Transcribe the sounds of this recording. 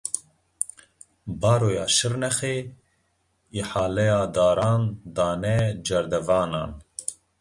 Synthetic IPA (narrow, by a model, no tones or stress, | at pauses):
bɑːɾoːjɑːʃɨɾnɛxeː | iħaːlɛjaːd̪aːɾɑːnd̪ɑːnɛd͡ʒɛɾd̪ɛvɑːnɑ̰ːn